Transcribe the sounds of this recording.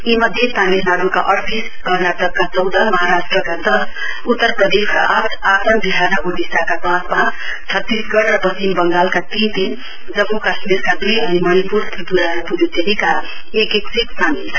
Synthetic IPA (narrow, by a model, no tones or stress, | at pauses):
imʌd̪ʱjet̪aminaɽukaʔʌɽt̪is | ɡʱʌɾnaʈʌɡ̚kat͡sʌwd̪ʱʌmʌɦaɾasʈrʌkad̪ʌs | ut̪ːʌrpɾʌd̪eskaʔaʈʰat̪əmb̪iɦanʌɡoɖisakatãspa | t͡sʰʌt̪ːisɡʌɽrʌbʌimbʌŋɡalkat̪ind̪in | d͡zʌbukasmiɾkad̪ujʌnimʌnipuɾt̪ʰibuɾaɾpuɾut̪eɦika | ekeksiksami